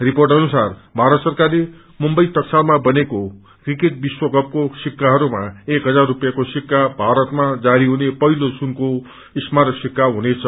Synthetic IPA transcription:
riporʈʌnusarbʱaɾʌt̪sʌrkarle | mumbʌjt̪ʌksalmabʌneko | krikeʈ̚biswʌɡʌp̚kosikːaɦʌɾumaekɦʌd͡zarːupjakosikːabʱaɾʌt̪mad͡zaɾiɦunepʌɦilosunko | ismaɾsikːaɦunet͡sʰʌ

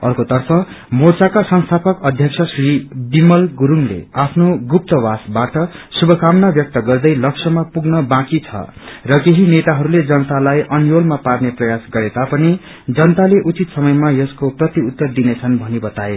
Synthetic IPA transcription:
ʌ̰rkot̪ʌrpʰʌ | mort͡sakasʌnst̪ʰapʌkʌd̪ʱjʌksʰʌsribimʌlɡuɾuŋlḛapʰnoɡup̚t̪ʌwasbaʈʌsubʱʌkamnabjʌk̚t̪ʌɡʌrd̪ʌjlʌksʰʌmapuɡnʌbãkit͡sʰʌ̰rʌkeɦinet̪aɦʌɾuled͡zʌnʌt̪alajʔʌnjolmaparneprʌjasɡʌɾet̪apʌni | d͡zʌnʌt̪aleʔut͡sit̪sʌmʌjmajʌskoprʌt̪iut̪ːʌrd̪inet͡sʰʌnbʱʌnibʌt̪ae

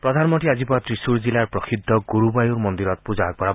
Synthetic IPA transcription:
pɾɔd̪ʱanɔmɔʈiad͡ʒipɔat̪ɾisuɾd͡ʒilaɾpɾɔkʰid̪ʱːɔɡuɾubajuɾmɔnd̪iɾɔt̪̚pud͡ʒaak̚pɔɾa

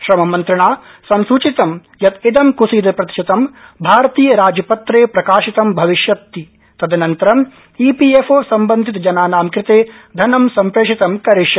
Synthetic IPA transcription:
ʃɾɐmɐmɐnt̪ɾɐɳaː | sɐnsuːt͡ʃit̪ɐm | jɐt̪id̪ɐmkusiːd̪ɐpɾɐt̪i̥ʃɐt̪ɐmbʱaːɾɐt̪iːjɐɾaːd͡ʒɐpɐt̪ɾeːpɾɐkaːʃit̪ɐmbʱɐʋiʃjɐt̪ːi | t̪ɐd̪ʱɐnɐnt̪ɐɾɐm | iːpiefoːsɐmbɐnd̪ʱit̪ɐd͡ʒɐnaːnaːmkɾɪt̪eː | d̪ʱɐnɐmsɐmpɾeːʂit̪ɐmkɐɾiʃjɐ

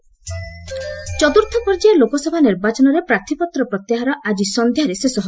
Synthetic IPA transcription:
t͡ʃɔt̪uɾt̪ʰɔpɔɾd͡ʒajalokɔsɔbʱaniɾbat͡ʃɔnɔɾepɾat̪ʰipɔt̪ɾɔpɾɔt̪jaɦaɾɔʔad͡ʒisɔnd̪ʱjaɾesesɔɦ

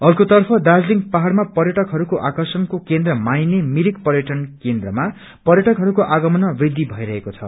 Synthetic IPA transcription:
ʌrkot̪ʌrpʰʌd̪ad͡zliŋɡpaɦarmapʌrjʌʈʌkɦʌɾukoʔakʌrsʌnkokend̪rʌmajnemiɾikpʌrjʌʈʌnkend̪rʌma | pʌrjʌʈʌkɦʌɾukoʔaɡʌmʌnʌbid̪ʱːibʱʌiɾʌɦekot͡sʰʌ̰

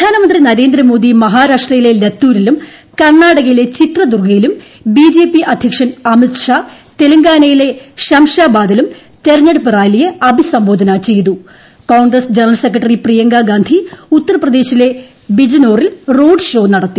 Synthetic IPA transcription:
prɐd̪ʱaːnɐmɐnd̪rinɐɾe̞ːnd̪rɐmoːd̪imɐɦaːɾaːʂʈrɐjile̞let̪ːuːɾilum | kɐrɳːaːɽɐɣɐjile̞t͡ɕit̪rɐd̪urɡɐjilum | biːd͡ʑeːpːiʔɐd̪ʱjɐkʂɐnɐmit̪ʂaː | t̪elɐŋɡaːnɐjile̞ɕɐmʂaːbaːd̪ɐlum | t̪e̞ɾɐɲːɐɽupɨraːjlijɐɐbʱisɐmboːd̪ʱɐnɐt͡ɕe̞jt̪u | kaːɳɡrɐsd͡ʑenɐrɐlsekːrɐʈːɐriprijɐŋɡaːɡaːnd̪ʱiut̪ːɐrɐprɐd̪e̞ːɕile̞ | bid͡ʑɐno̞ːrilro̞ːɖɨʂo̞ːnɐɽɐt̪ːi

